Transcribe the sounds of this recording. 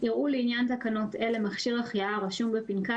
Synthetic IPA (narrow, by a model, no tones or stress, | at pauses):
iʁʔuleinjant̪akano̞telemaχʃiʁaχjaʁaʃumbepinka